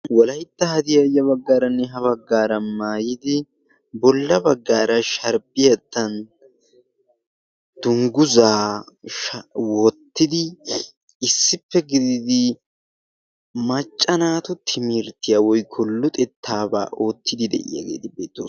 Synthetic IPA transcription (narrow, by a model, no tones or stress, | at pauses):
wɔlɐjɪt̪ːɐhɐd̪ɪjajɐβɐɡːaːɾɐnːɛɦɐβɐɡːaːɾɐmaːjɪd̪ɪ | bɔlːɐbɐɡːaːɾɐʃɐɾbɪjɐt̪ːɐn | d̪̥ʊŋɡʊzaːʃwɔt̪ːɪd̪ɪ | ɪsːɪpːɛɡɪd̪ɪd̪ɪ | mɐt͡ʃʼːɐnaːt̪ʊt̪ʰɪmɪɾt̪ːɪjawɔjkʰɔlːʊt̪ʼɛt̪ʰːaːba̰ːʔo̞ːt̪ːɪd̪ɪd̪ɛ̰ʔɪ̰ja̰ɡḛːt̪ɪbe̞ːt̪ːo̰ː